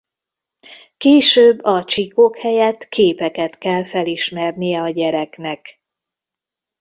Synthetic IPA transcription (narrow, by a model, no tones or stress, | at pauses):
keːʃøːbːɒt͡ʃikokhɛjɛt̪kʰeːpɛkɛt̪kɛlfɛliʃmɛrnijɛɒɟɛɾɛknɛk